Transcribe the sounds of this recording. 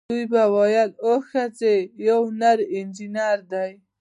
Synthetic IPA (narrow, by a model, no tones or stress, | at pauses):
ujbawɑjaloxat͡sejawnaɾɪnd͡ʒinaɾd̪aj